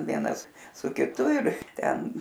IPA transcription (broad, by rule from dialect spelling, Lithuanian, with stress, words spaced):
ˈʋʲiɛnɐs sʊ kʲɪˈtʊ ɪr ˈtʲɛn